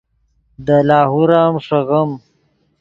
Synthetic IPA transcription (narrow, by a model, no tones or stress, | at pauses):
d̪əlaːɦuɾaːmʂɐɣɐm